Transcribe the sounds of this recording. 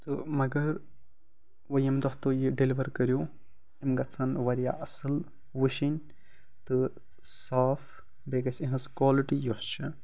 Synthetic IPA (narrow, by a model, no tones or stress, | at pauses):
t̪ɨmɐɡɐɾ | ʋɐjɐmd̪ɔht̪ojiɖeliʋɐɾkɐɾjo | imɡɐt͡sʰɐnʋɐɾija̰ːʔɐsɨl | ʋɨʃinʲ | t̪ɨ | saːf | beɡɐsʲĩɦɐ̃skwaːliʈijost͡ʃʰɨ